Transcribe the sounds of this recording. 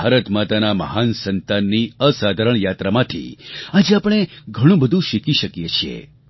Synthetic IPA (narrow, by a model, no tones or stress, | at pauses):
aɾət̪mat̪anaməɦansənt̪anːiəsad̪ʱaɾəɳjat̪ɾamãt̪ʰḭad͡ʒeapɳ̃eɡʱəɽ̃ũbəd̪ʱũʃikiʃəkjet͡ʃʰijḛ